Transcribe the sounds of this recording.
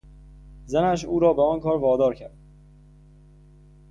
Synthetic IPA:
zænæʃ̬uːɾɒːbeɒːnkʰɒːɾvɒːd̪ɒːɾcʰæɾd̪̥̚

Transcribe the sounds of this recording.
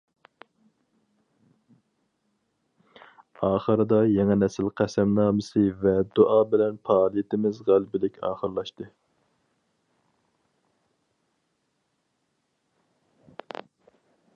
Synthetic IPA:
ɑːχəɾɨd̪ɑjɛŋɛnɛsɪlqʰæsɛmnɑːmɨsɨvɛd̪oʔɑːbɪlɛnpɑːlˠijet̪ʰɪmɪzʁælbɪlɪkʲɑ̰ːχəɾlˠɑʃt̪ɨ

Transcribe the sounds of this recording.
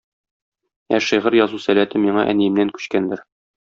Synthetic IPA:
æʃiʁɤɾjɒzusælæt̪ɘmiɴɑʔæ̰nijɘ̆mnæŋkʉ̥ɕkænd̪ɘɾ

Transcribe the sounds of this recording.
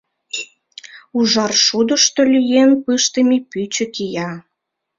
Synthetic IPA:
uʒɑrʃud̪əʃt̪olʲyjenpɨʃt̪əmipyt͡ɕə̆kijɑ

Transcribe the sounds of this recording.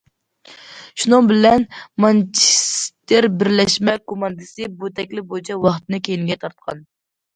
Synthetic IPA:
ʃunɨŋbɪlɛnmɑnt͡ʃʰi̥st̪ɪɾbɪɾlɛʃmɛkomɑnd̪ɨsɨbut̪ʰɛkʲlɪbot͡ʃʰɛwɑχt̪ɨnɨkʲʰejinɪɡʲɛt̪ʰɑɾt̪̚qʰɑ̰n

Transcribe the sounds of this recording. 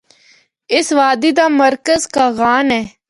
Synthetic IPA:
ɪsʋaːd̪iːd̪aːməɾkəzkaːɣaːnɛː

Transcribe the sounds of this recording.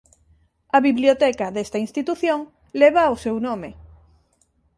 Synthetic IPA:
ɐβiβljot̪ɛkaðest̪ainst̪it̪uθjoŋ | leβ̞awsewnõme

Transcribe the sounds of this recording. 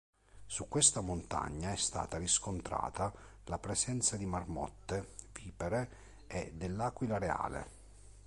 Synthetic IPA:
sukːwest̪amont̪a̰ɲːaɛst̪a̰ːt̪aɾiskont̪ɾa̰ːt̪a | lapɾesɛnt̪sad̪imarmɔ̰t̪ːeviːpeɾe | ɛd̪elːaːkwilaɾea̰ːlḛ

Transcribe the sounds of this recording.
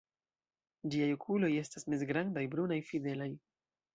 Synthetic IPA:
d͡ʒiajokʰulo̞je̞stasmesɡɾandajbɾunajfide̞laj

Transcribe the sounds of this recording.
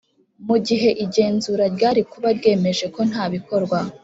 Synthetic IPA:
muɟiɦe̞ʔiɟe̞ːnzuːɾaɾɟaːɾikuβaɾɡe̞ːme̞ʒe̞ko̞n̥haːβiko̞ɾɡwa

